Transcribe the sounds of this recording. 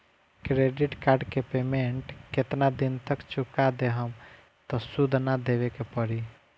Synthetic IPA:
kɾeɖiʈkaɾɖkepemeɳʈket̪nad̪int̪əkt͡ʃukad̪eɦəm | t̪ɔsud̪ʱnad̪eβekepəɾi

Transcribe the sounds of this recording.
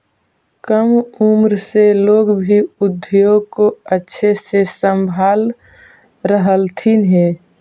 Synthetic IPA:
kəmumɾseloːɡbʱiʊd̪ʱːijõkoətːʃʰesesəmbʱaːl | ɾəɦəlt̪ʰinɦeː

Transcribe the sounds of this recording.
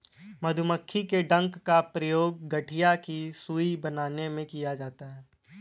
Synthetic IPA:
mɐd̪ʱʊməkʰːikeɖɐ̃ŋkːapɾɐjoːɡ̚ːɐʈʰijakisuːibɐnaːnemẽkijad͡ʒaːt̪aɦɛː

